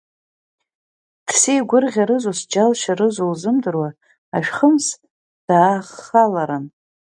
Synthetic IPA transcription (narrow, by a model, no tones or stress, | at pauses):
d̥sijɡʷʊrʁʲaɾɨzosd͡ʒalʃarɨzolzɨmdɨrwa | aʃᶣχəms | d̥aːχalaɾan